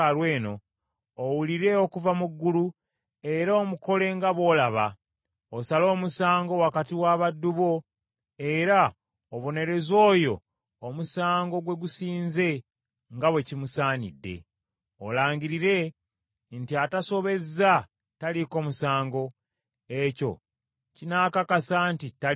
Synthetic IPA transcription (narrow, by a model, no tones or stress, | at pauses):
aɾweːno̞ː | wuliɾe̞okuvamuɡːulu | e̞ɾoːmuko̞le̞ŋɡaβo̞ːlaβa̰ | osalo̞ːmusaːŋɡo̞wakatiwaβadːuβo̞ | e̞ɾa | oβo̞ne̞ɾe̞zo̞ːjo̞ː | musaːŋɡo̞ɡwe̞ɡusiːnze̞ | ŋɡawe̞cimusaːnḭdːe̞̰ | o̰laːɲɡiɾiɾe̞ | ntiataso̞βe̞za | taliko̞ːmusaːŋɡo̞ | e̞co̞̰ | cinaːkakasantita